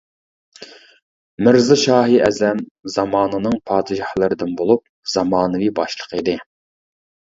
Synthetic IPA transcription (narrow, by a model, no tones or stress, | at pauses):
mɪɾzɨʃɑːɦiʔɛzɛmzɑmɑːnɨnɨŋpʰɑːd̪ɨʒɑhlˠɨɾɨd̪ɨnbolˠup̚ | z̥ɑmɑːnɨvibɑʃlˠə̥qid̪ɨ